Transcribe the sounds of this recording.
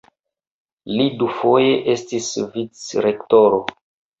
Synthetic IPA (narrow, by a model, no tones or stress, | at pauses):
lidufo̞je̞ʔe̞stisvit͡sɾe̞kto̞ɾo